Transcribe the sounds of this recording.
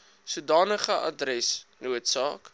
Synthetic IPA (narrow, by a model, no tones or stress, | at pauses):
sudɑːnəχəʔɐ̰drɛsnuətsɑːk